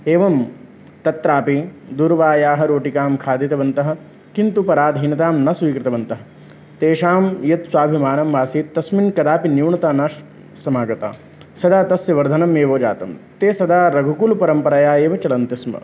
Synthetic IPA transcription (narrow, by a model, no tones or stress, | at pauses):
eːʋɐm | t̪ɐt̪ɾaːpid̪uɾʋaːjaːɦɐɾoːʈikaːmkʰaːd̪it̪ɐʋɐnt̪ɐɦɐ̆ | kint̪upɐɾaːd̪ʱɦinɐt̪aːmnɐsuikɾɪt̪ɐʋɐnt̪ɐɦɐ̆ | t̪eːʂaːmjɐt̪swaːbʱimaːnɐmʋaːsiːt̪ːɐsminkɐd̪aːpinjiwɳɐt̪aːna | sɐmaːɡɐt̪a̰ː | sɐd̪aːt̪ɐsjɐʋɐɾd̪ʱɐnɐmeːʋoːd͡ʒa̰ːt̪ɐmt̪eːsɐd̪aːɾɐɡʱukulupɐɾɐmpɐɾɐjaːeːʋɐt͡ʃɐlɐnt̪ismɐ̰